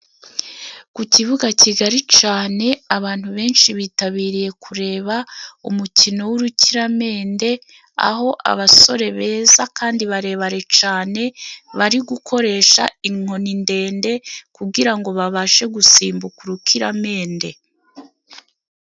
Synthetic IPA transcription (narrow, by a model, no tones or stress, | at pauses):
kuciβuɡaciɡaɾit͡ʃaːne̞aβaːn̥huβe̞ːnʃiβiːtaβiːɾije̞kʰuɾe̞ːβaṵmucino̞wuɾuciɾame̞ːnde̞ | a̰ɦo̞ʔa̰βaso̞ɾe̞βe̞ːzakaːndiβaɾe̞ːβaɾe̞t͡ʃaːne̞βaɾiɡukʰo̞ɾe̞ːʃa̰iŋ̥o̞ninde̞ːnde̞kuɡiɾaŋɡo̞βaβaːʃe̞ɡusiːmbukuɾukʰiɾame̞ːnde̞